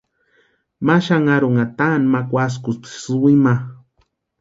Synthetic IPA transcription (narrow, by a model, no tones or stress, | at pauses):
maʃaŋaɾoŋat̪anmakwas̬kut͡si̥sɨwima